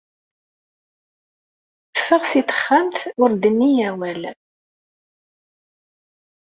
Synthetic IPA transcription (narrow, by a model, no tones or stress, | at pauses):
əfːəʁsit̪ə̥χːəmt̪ʊɾd̪ənːijæwæl